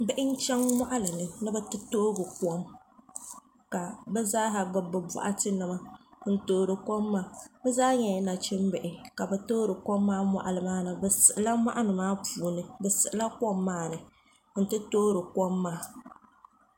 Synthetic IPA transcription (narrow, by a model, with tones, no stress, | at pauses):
bɪ˦ʔɪ˦n̩˦t͡ʃɛ˦ŋma˦ʔa˦lɨ˨nɨ˨nɨ˦bɛ˦tɨ˦toː˦ɡɨ˨kɔ˦m | ka˨bɛ˦zaː˦ɦa˨ɡ͡bɨ˦bːɨ˨ba̰˨ʔa˦tɨ˦nɨ˨ma˨n̩˦toː˦ɾɨ˨ko˦mːaː˦bɛ˦zaː˦ɲɛ˨na˨t͡ʃɪ˦mbɛ˨ʔɪ˨ka˨bɛ˨toː˦ɾɨ˨ko˦mːaː˦mʷa̰˨ʔa˨lɨ˨maː˦nɨ˨bɛ˨sɨ˨ʔɨ˨la˦ma̰˦ʔa˦nɨ˨maː˦puː˨nɨ˨bɛ˨sɨ˨ʔɨ˨la˦ko˦mːaː˦nɨ˨ | n̩˦tɨ˦toː˦ɾɨ˨ko˦mːaː˦